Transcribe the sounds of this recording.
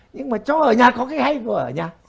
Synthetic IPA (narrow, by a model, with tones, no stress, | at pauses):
ɲɨ˧ŋmaː˨˩t͡ɕɔ˨˧˦ʔəː˧˩ɲaː˨˩kɔ˨˦kaː˨˦jha˧jkṵ˧˩ʔəː˧˩ɲaː˨˩